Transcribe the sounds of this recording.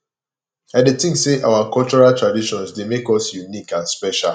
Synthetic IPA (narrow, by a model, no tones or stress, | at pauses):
adetĩŋseʔa̰wakɔlt͡ʃɔɹaltɹadiʃɔ̃nsdemekɔsjunikãnspɛʃa̰l